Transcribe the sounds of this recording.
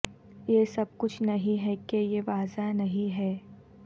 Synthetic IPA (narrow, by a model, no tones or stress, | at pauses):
jesɐb̚kʊt͡ʃʰnɐɦĩɦɛkejeʋaːzanɐɦĩɦɛː